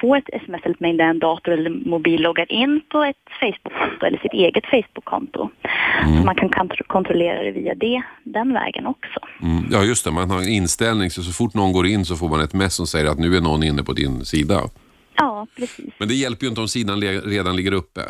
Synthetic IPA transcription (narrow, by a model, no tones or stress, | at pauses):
foːɾɛt̪ʰɛ̰sɛmɛsɛlət̪mɛɪŋd̪aɾɛnd̪ɑːt̪ʊɛlːəɾmʊbiːlːɔɡːaɾʔɪnːpʰɔɛt̪fɛɪsbʊkʰːɔnt̪ʊɛ̰lːəʂɪt̪eːɡət̪fɛjsbʊkʰːɔ̰nt̪ʊ̰sɔmankʰank̪ʰkʰɔnt̪ɾɔleːɾa̰d̪ɛ̰viːa̰d̪ɛd̪ɛnvɛ̰ːɡə̰nɔksɔm̩jɑːjɵst̪ɛmanhɑɪnst̪ɛlnɪŋsɔs̬ɔfʊʈːnɔnɡoːɾɪnːs̬ɔfoːɾmanɛt̪mɛsːɔmsɛjːəɾat̪nʉ̟ːæɳɔnːɪnːəpʰɔd̪ɪ̰nsiːd̪a̰ | ɑːpʰɾɛsḭːsmɛnd̪ɛjɛlpəɾjʏɪnt̪əd̪ɔmsiːd̪anlɾeːd̪anlɪɡːəɾɵpːə̰